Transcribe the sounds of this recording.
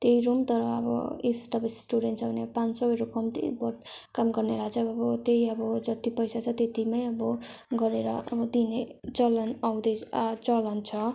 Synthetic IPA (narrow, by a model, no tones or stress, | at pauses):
t̪eijɾumt̪ʌɾʌʌ̰bʌ̰ipʰt̪ʌpãj̃sʈuɽenʈt͡sʰʌbʱʌneʌbʌpãnsʌʌɾukʌmt̪ḭbʌʈkamɡʌrneɾat͡sʰʌʌbʌt̪eiʌbʌd͡zʌt̪ipʌjsat͡sʰʌt̪et̪imajʌbʌɡʌɾeɾʌ̰ʌ̰bʌd̪inet͡sʌlʌnawd̪ʌjt͡sʌlʌnt͡sʰʌ